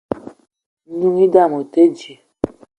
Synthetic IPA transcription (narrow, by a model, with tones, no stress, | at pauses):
nũ˦ŋi˦da˦˨mo˨te˦d͡ʒe˨